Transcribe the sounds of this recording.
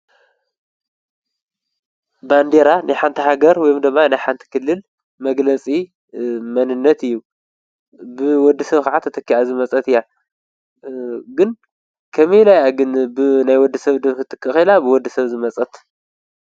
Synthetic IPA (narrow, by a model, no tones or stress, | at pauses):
band̪eɾanʔajħant̪ʰiɦaɡɐɾwɔjumd̪ɨmːanajħant̪ʰi̥kʰɨlːɨl | mɐɡlɐt͡sʼi | mɐnɨnːɐt̪ɨjːu | bɨwɔd̪ːisɐβkaʕat̪ʰɐt̪ʰɐkːiazɨmɐt͡sʼɐt̪ɨjːa | ɡɨn | kʰɐmilajaɡɨnbɨnajwɔd̪ːɨsɐβd̪ɨmkɨt̪ʰːɨkʼːɨxilabɨwɔd̪ːɨsɐβzɨmɐt͡sʼɐt̪